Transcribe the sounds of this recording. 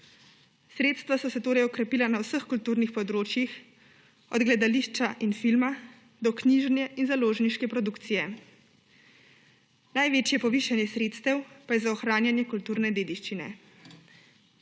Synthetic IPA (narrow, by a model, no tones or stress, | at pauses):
sɾeːt̪st̪vʋasɔsɛt̪oːɾɛjɔkɾɛpiːlanawsəxkult̪uːɾnixpɔd̪ɾoːt͡ʃjix | ɔd̪ɡlɛd̪aliːʃt͡ʃaʔinfilma | d̪ɔkniːʒnjɛʔinzaloːʒniʃkɛpɾɔd̪ukt̪sijɛ | najʋeːt͡ʃjɛpɔʋiʃanjɛsɾeːt̪st̪ɛwpajɛzaɔxɾaːnjanjɛkult̪uːɾnɛd̪eːd̪iʃt͡ʃinɛ̰